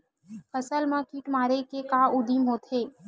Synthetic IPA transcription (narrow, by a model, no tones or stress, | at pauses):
fʰəsəlmãkiːʈmaːɾekekaːʊd̪iːmɦoːt̪ɦeː